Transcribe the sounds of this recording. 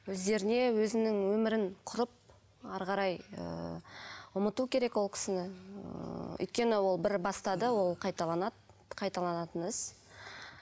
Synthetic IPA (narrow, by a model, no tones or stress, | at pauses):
wɵzd̪e̞ɾɪne̞wɵzɪnɪŋwɵmɪɾɪɴqʰʊɾəp̚ | ɑɾʁɑɾɑjə̰ | ʊmət̪ukʲʰe̞ɾe̞kwo̞lˠkʲʰɪ̥sɪnɪ | ʏ̰jt̪̚kʲe̞nɪwo̞lˠbɪɾbɑst̪ɑd̪əwo̞lˠqʰɑjt̪ɑlˠɑn | qʰɑjt̪ɑlˠɑnɑt̪ənɪz̥